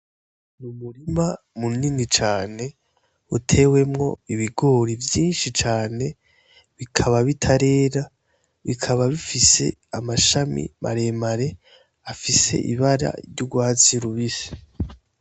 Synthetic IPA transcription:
mumuɾima | muninit͡ʃaːne̞ | utʰe̞ːwe̞mŋo̞̰iβiɡo̞ɾivjiːnʃit͡ʃaːne̞ | βikʰaβaβitʰaɾe̞ːɾa | βikʰaβaβifise̞̰amaʃamḭmʔa̰ɾe̞maɾe̞ | afise̞̰ʔḭβaɾa̰ɾjuɡwaːt͡siɾuβise̥

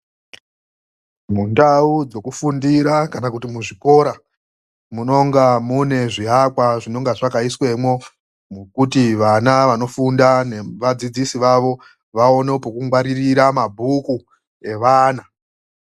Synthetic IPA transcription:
mundaud͡zo̞kufundiɾakanakutimuʐiko̞ɾa | muno̞ŋɡamune̞ʐiɦakwaʐino̞ŋɡaʐakaiswe̞mwo̞ | mukutiʋanaʋano̞fundaneʋad͡zid͡zisiʋaʋo̞ | ʋao̞nepokuŋɡwaɾiriɾamabʱuku | e̞ʋaːna

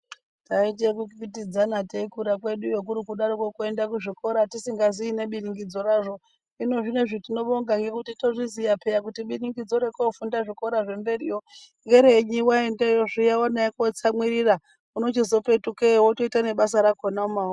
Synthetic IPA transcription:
tait̬ekukpit̬id͡zanateikuɾakwe̞ɗujok̬uɾikuɗaɾokokue̞ndakuʐiko̞ɾatisiŋɡaziːne̞ɓiniŋɡid͡zo̞raʐo̞ | ino̞ʐine̞ʐitino̞ɓoŋɡaŋɡe̞kutito̞ʐizijapejakutiɓiriŋɡid͡zo̞ɾe̞kofundaʐiko̞ɾaʐe̞mbe̞rijo | ŋɡeɾeɲiwaendejoʐijawanaekot͡samwiɾira | uno̞t͡ʃizo̞pe̞tukeɦoto̞itane̞ɓasaɾakonaumau

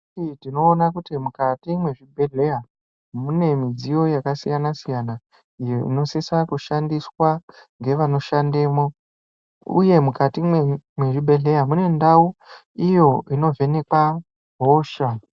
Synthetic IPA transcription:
itino̞ːnakutimukatimwe̞ʐibʱe̞ɮe̞ja | mune̞mid͡zijo̞jakasijanasijana | ijoḭno̞sesakuʃandiswaŋɡe̞ʋano̞ʃande̞ːmo̞ | ṵje̞mukatimwemweʐibʱe̞ɮe̞jamune̞ndau | ijo̞ino̞ve̞ne̞kwa | ɦoːʃa

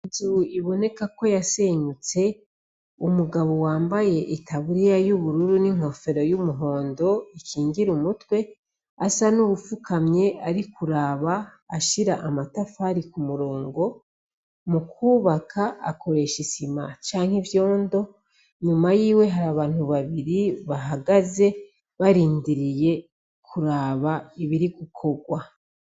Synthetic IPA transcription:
id͡ʒuuʔiβo̞ne̞kako̞jase̞ɲut͡se̞ | umuɡaβo̞waːmbaje̞ʔitʰaβuɾijajuβuɾuɾuniŋ̥ho̞fe̞ɾo̞jumuɦo̞ːndo̞ikʰiːɲɟiɾumutwe̞ | asanuβufukʰamɲe̞ʔaɾikuɾaːβaː | ʃiɾaʔamatafaɾikumuɾo̞ːŋɡo̞ | mukuːβakʰaʔa̰kʰo̞ɾe̞ʃisima̰t͡ʃaːŋ̥hivjo̞ːndo̞ | ɲumajiːwe̞ɦaɾaːβaːn̥huβaβiɾiβaɦaɡaze̞ | βaɾiːndiɾije̞ | kʰuɾaːβaiβiɾiɡukʰo̞ɡwa

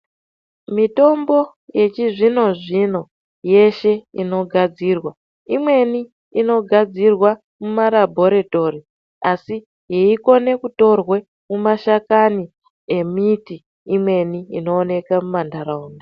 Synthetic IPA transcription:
mito̞mbo̞ | je̞t͡ʃiʐino̞ʐino̞ | je̞ʃe̞ino̞ɡʱad͡ziːrwa | imwe̞ni | ino̞ɡʱad͡zirwa | mumaɾabʱo̞ɾe̞to̞ri | asi | ɦeiko̞ne̞kuto̞rwe | mumaʃakani | emitiː | mwe̞niino̞ːne̞kamumandaɾauːnda

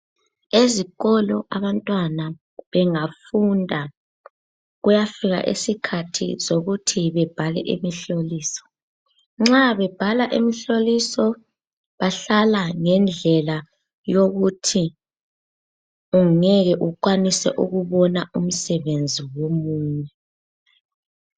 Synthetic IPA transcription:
eziɣɔlɔʔaβantʼwana | βɛŋafundʱa | ɣujafiɣa̰ʔḛsikʰatʰḭzoɣutʰiβɛb̥ʱalɛ̰ʔḭmiɬoliːsɔ̥ | ŋ͡ǁaβɛb̥ʱalaʔimiɬolisɔ | βaɬalaŋɛnd͡ɮʱɛla | joɣutʰi | uŋŋɛɣɛʔuǃwanisɛ̰ʔuɣuβɔnaum̩sɛβend͡zʱiwomuːɲɛ

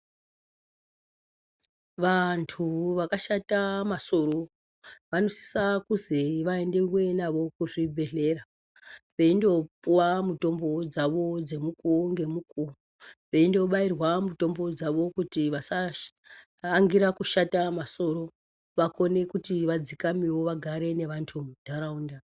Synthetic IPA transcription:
ʋantʰuʋakaʃatamaso̞ɾo̞ | ʋano̞si̥sakuzeʋae̞nderwe̞naʋo̞kuʐibʱe̞ɮe̞ra | ʋe̞indo̞puwamuto̞mbo̞d͡zaʋo̞d͡ze̞mukuŋɡe̞muku | ʋe̞indo̞ɓairwamuto̞mbo̞d͡zaʋo̞kutiʋasa | ŋɡiɾakuʃatamaso̞ɾo̞ | ʋako̞ne̞kutiʋad͡zikamiwo̞ʋaɡʱaɾe̞ne̞ʋantʰumudʱaɾaunda

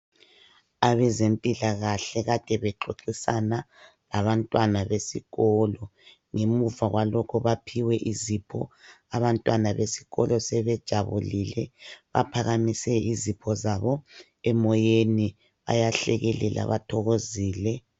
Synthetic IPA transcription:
aβɛzempʼilaɣaɬɛɣad̥ʰʱʼɛβɛǃoǃisana | laβantʼwanaβesiɣɔːlɔ | ŋemuvaɣwalɔkʰɔβapʰiwɛʔizipʰɔ̰aβantʼwanaβesi̥ɣɔlɔsɛβɛd̥ʒ̥ʱaβulilɛβa̰pʰaɣamisɛizipʰɔzaβɔ | ɛmɔjeni | βa̰jaɬɛ̰ɣɛlɛlʔa̰βatʰɔɣoziːlɛ

